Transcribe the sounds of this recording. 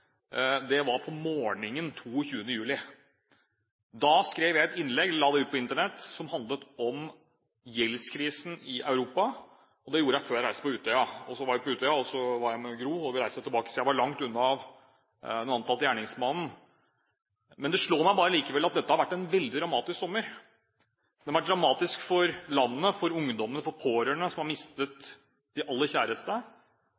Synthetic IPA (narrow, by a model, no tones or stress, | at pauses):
d̪ɛʋɑɾpʰɔmoːɳɪŋənt̪ʰuːçʉːənəjʉːlɪ | d̪ɑskɾeːʋjæɪɛt̪ɪnːlɛɡlɑːd̪ɛʉːt̪pʰɔɪnt̪əɳɛt̪ːsɔmhɑnd̪lət̪ɔm | jɛlskʰɾiːsn̩ɪʔɑʉɾuːpɑ | ɔd̪ɛjuːɾəjæɪføːɾjæɾæɪsəpɔʉːt̪œʏɑɔsɔʋɑɾjæpɔʉːt̪œʏɑɔsɔʋɑɾjæɪmɛɡɾuːɔʋɪɾæɪsət̪ʰɪlbɑːkə̥sɔjæɪʋɑɭɑŋt̪ʉnːɑʋ | nɑnt̪ʰɑlt̪əjæːɳɪŋsmɑnn̩ | mɛnd̪ɛʂɭoːmæɪbɑːɾəliːkəʋɛlːɑt̪̚d̪ɛt̪ːəhɑɾʋæʈːɛnʋɛld̪ɪd̪ɾɑmɑːt̪ɪsksɔmːəɾ | d̪ɛhɑɾʋæʈ̚d̪ɾɑmɑːt̪ɪskfɔɾlɑnːəfɔɾʊŋd̪ɔmənəfɔɾpʰoːɾəɳəsɔmhɑɾmɪst̪ət̪ | d̪ɪʔɑlːəçæːɾəst̪ə